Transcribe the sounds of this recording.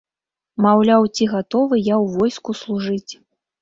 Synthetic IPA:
mawlʲawt͡sʲiɣat̪ɔvɨjawvɔjskuslˠuʐɨt͡sʲ

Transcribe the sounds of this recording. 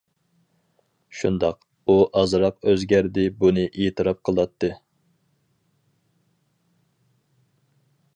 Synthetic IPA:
ʃund̪ɑq | uʔɑzɾɑqøzɡʲæɾd̪ɪbunɨʔet̪ʰɨɾɑp̚qʰəlˠɑt̪ʰːɨ

